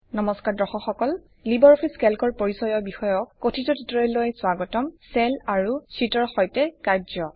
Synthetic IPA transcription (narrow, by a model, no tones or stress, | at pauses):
nɔmɔskaɹdɔxɔxɔkɔl | libɔɹɔpʰiskɛlkɔɹpoɹisɔjɔbixɔjɔkːotʰitɔtʰitɔɹɔlojswaɡɔtɔmsɛlaɹusitɔɹxɔjtɛkaɹzɔ